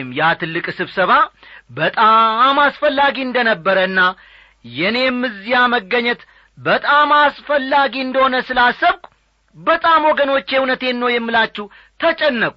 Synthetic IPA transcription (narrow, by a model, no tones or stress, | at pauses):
mjat̪ʰɨlːɨkʼsɨβsəβabət̪ʼamasfəlːaɡiɨnd̪ənəbːəɾəɨnːa | jɛne̞mːɨzijaməɡːəɲːɛt̪ | bət̪ʼamasfəlːaɡiɨnd̪əho̞nəsɨlasəβkʷʼ | bət̪ʼamwoɡəno̞t͡ʃːɛhunət̪e̞nːəwjɛmːɨlat͡ʃːɛw | t̪ʰət͡ʃʼɛnːəkʼu